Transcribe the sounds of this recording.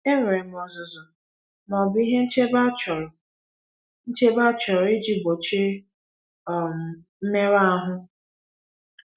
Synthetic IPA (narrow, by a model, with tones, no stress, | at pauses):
e˦ɾɾe˨m˨ɔ˨zʊ˨zʊ˨ | mɔ˨bi˦ɦe˦n̩˦t͡ʃe˦ba˦t͡ʃɔ˨ɾʊ˨ | n̩˦t͡ʃe˦ba˦t͡ʃɔ˨ɾʊ˨e˦d͡ʒi˦bo˨t͡ʃe˦˨ | m˨m̩˦me˦ɾa˦a˦ɦʊ˦